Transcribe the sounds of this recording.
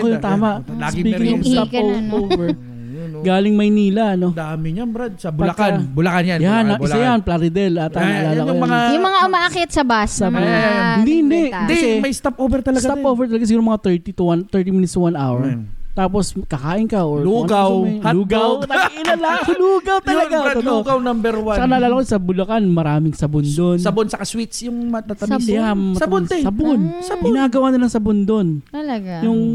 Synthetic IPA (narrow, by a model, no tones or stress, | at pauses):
kojot̪aːmɐʔaspiːɪŋʊst̪apovɛɹ | ɡaːlɪŋmɐjniːlɐʔɐno̞d̪amɪɲabɾad̪̚sabʊlɐkanbʊlɐkanjanjanːɐɪajanplaɾɪd̪ɛlɐt̪aːmalaːlɐkjʊmɐŋajʊmɐŋaʔʊmaʔakɪt̪̚sɐbasɐband̪inɛd̪ɐsɛmɐjst̪apʔowvɛɾt̪ɐlɐsɡɐt̪apʔowvɛɹt̪ɐlɐɡasɪɡuːɾɐmɐŋat̪ɛɹt̪it̪uwant̪ɛɹt̪imɪnɪt̪swanʔawɛɹt̪aːp̬oskɐkaːʔɪnkɐʔoɹluːɡawluːɡawt̪ɪlɐlakluːɡɐwt̪ɐlɐɡaoɡawnambɛɾwat͡ʃɐkanɐːlaːlɐkosɐbʊlɐkanmɐɾaːmɪŋsɐbʊnd̪onsɐbonsɐkaswit̪sjʊŋmɐt̪at̪ɐjamɐtɐbnɛsɐbonsɐbnaːɡɐwaːnɐlɐŋsɐbond̪onɐɐɡjʊŋ